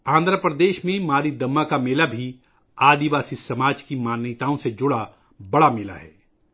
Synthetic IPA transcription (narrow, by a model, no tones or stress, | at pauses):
ãːnd̪ɾəpɾəd̪eːʃmẽmaːɾid̪ɐmːakameːlabʱi | aːd̪iʋaːsisɐmaːd͡ʒkimaːnːɪt̪aːõsed͡ʒʊɽa | bɐɽamɪːla̰ɦɛ̰ː